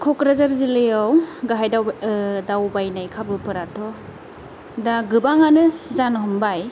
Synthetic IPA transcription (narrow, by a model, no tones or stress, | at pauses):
kʰɔkɾazaɾzilɯjawɡaɦajdadawbajnajkʰabɯpɯɾatʰɔ | daɡɯbaŋanɯzanɦɔmbaj